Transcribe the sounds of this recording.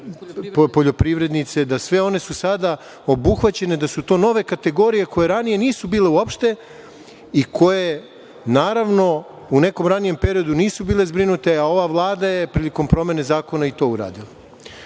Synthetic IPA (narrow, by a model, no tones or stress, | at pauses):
ppo̞ʎo̞pɾiʋɾe̞d̪nit̪se̞d̪asʋe̞o̞ne̞susad̪a | o̞buxʋat͡ɕe̞ne̞d̪asut̪o̞ːno̞ʋe̞kat̪e̞ɡo̞ɾije̞ko̞jeɾanije̞niːsubiːle̞uopʃt̪e̞ | ikʰo̞je | naːɾaʋno̞ | une̞ko̞mɾanije̞mpe̞ɾijo̞d̪uniːsubiːle̞zbɾinut̪e̞ao̞ʋaʋlˠaːd̪aje̞pɾiliko̞mpɾo̞me̞ne̞zaːko̞nait̪o̞ːuɾa̰ːd̪ila